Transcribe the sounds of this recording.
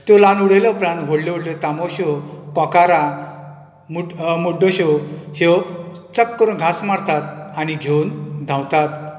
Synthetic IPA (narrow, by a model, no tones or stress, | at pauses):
t̪olanuɽeljɔpɾãnɦoɽleʋoɽlɔt̪amoɕɔkɔ̃kaɾa | mumuɖoɕɔhew | t͡səkːəɾunɡʱasmaɽt̪at̪̚aniɡʱewnd̪ʱãwt̪at̪̚